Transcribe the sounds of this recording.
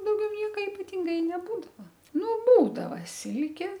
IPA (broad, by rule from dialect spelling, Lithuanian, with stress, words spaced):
dɐʊˈɡʲɛʊ ˈnʲiɛkɐ ɪpɐˈtʲɪŋɡɐ ɪ nʲɛˈbuːdɐʋɐ ˈnʊ ˈbuːdɐʋɐ ˈsʲɪlʲkʲeː